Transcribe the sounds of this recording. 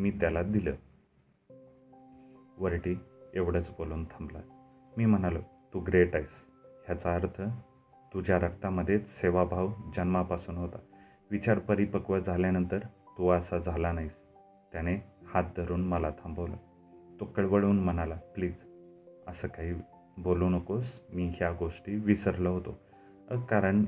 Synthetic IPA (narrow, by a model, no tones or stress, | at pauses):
miːt̪jalad̪ilə̰ː | ʋəɾʈiːeʋɽət͡sboluːnt̪ʰãmbla | miːm̤əɳ̃alət̪uɡɾeʈais | ɦjat͡saəɾt̪ʰə | t̪ud͡ʑjaɾək̚t̪aməd̪ʱːjet͡sseʋabʱaʋd͡ʑənmapasuːnɦot̪a | ʋit͡ɕaɾpəɾipəkʋəd͡zʱaljanənt̪əɾt̪uasad͡zʱalanaɦis | t̪janehat̪̚d̪ʱəɾuːnməlat̪ʰambəʋlə | t̪okəɭʋəɭuːnm̤əñalapliːd͡zəsəːkaɦiː | boluːnəkosmiːɦjaɡoʂʈiːʋisəɾləɦot̪o | əkaɾəɳ